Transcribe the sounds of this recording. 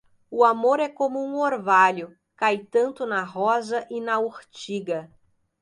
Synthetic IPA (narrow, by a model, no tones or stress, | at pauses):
ʊamoɾɛkõmʊũoɾvaʎʊ | kajt̪ɐ̃nt̪ʊnɐɦɔzɐʔɪnɐoɾt͡ʃiɡɐ